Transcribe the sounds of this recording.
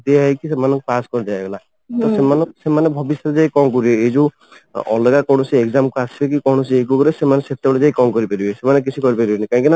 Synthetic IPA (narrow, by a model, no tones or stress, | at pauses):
d̪eaɦikisemanɔkepaskɔɾid͡ʒaebela | t̪ɔsemanɔsemanebʱɔbisɔt̪d͡ʒajkɔŋkɔɾibeed͡ʒu | ɔ̰leɡakɔ̃ɔsiekzamkuasibek̬ikɔɽ̃ɔsiekukɔɾesemaneset̪eɔɽed͡ʒaikɔmkɔɾipaɾibesemanek̬it͡ʃʰikɔɾipaɾibenikaɦĩkina